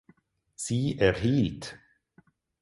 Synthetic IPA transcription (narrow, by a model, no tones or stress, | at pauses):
siːɛʁɦiːlt